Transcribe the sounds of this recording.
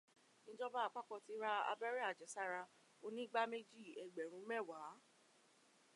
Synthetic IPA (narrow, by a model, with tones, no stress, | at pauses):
nĩ˦d͡ʒɔ˦ba˦a˨˧k͡pa˦kɔ˧ti˧˦ɾa˧a̰˧bɛ˦ɾɛ˦a˦˨d͡ʒɛ˨˦sa˦˨ɾa˧ | o˧nĩ˦ɡ͡ba˦me˦d͡ʒi˦˨ɛ˨ɡ͡bɛ˨ɾ̃ũ˨˦mɛ˦˨wa˨˦